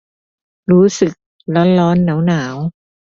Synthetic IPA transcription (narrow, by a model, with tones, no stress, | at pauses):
ɾuː˦˥sɯ˨˩k̚ | lɔ˦˥nlɔː˦˥nːaː˩˦wnaː˩˦w